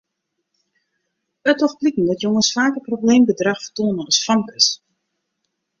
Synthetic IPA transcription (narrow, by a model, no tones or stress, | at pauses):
ətɔxplikən̩dɛtjoŋəsfaːkəprobleːmbədraxfərtuənəəsfaŋkəs